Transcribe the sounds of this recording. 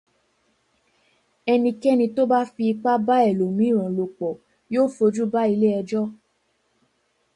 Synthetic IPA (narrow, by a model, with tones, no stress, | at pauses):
ɛ˧nĩ˧kɛ˦nĩ˧to˦ba˦fi˧i˧k͡pa˦ba˦ɛ˦˨lo˨mĩ˨˦˨ɾ̃ɔ̃˨lo˨k͡pɔ˨ | joː˦˨fo˧d͡ʒu˦ba˦i˧le˦ɛ˧d͡ʒɔ˦